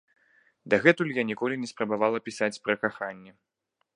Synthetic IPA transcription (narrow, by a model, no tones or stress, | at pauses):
d̪ɐɣɛt̪ulʲjanʲikɔlʲinʲɛspɾɐbavalˠɐpʲisat͡sʲpɾɐkaxanʲːɛ